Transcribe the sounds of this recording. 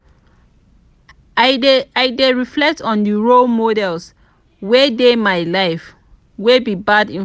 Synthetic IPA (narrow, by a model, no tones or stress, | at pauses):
aɪdeɹiflɛk̚tɔ̃ndiɹolmodɛls | wedemaɪlaɪf | webibadĩ